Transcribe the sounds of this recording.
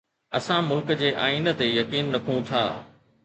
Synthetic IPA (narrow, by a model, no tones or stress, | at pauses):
ɐsãmʊlkd͡ʑeːʔaːiːnə̆t̪ejɐkiːnːɐkʰũt̪ʰa̰ː